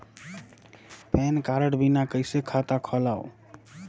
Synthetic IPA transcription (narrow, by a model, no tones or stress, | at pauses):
pɛnkaɾəɽbinakəɪsekʰat̪akʰəlaw